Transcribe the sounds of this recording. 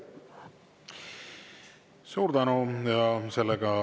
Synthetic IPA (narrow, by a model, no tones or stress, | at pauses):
suːɾd̪ɑnujɑselːeɡɑ